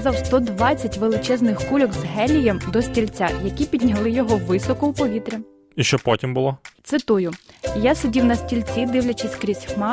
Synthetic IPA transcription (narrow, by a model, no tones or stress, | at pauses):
zɑwst̪ɔd̪ʋɑt͡sʲːɐtʲʋelˠɪt͡ʃɛznɪxkulʲɔɡzɦɛlʲːijɛmd̪ɔsʲtʲilʲt͡sʲajɐkʲipʲidʲnʲɐlˠɪjɔɦɔʋɪsɔkɔupɔʋʲit̪ɾʲi | iʃt͡ʃɔpɔtʲimbʊlˠɔt̪sɪt̪ujʊjasedʲiwnɐsʲtʲilʲt͡sʲid̪ɪwlʲɐt͡ʃɪsʲkɾʲisʲxmɑ